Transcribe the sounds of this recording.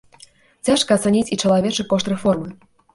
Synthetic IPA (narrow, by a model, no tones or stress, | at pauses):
t͡sʲaʂkɐːt̪sanʲit͡sʲit͡ʂɐlˠavʲet͡ʂɨkoʂt̪rɛformɨ